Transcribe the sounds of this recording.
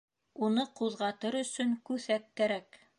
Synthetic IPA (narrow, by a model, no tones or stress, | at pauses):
unɤquðʁɑt̪ɤɾɵ̆sɵŋkʉθækːæɾæk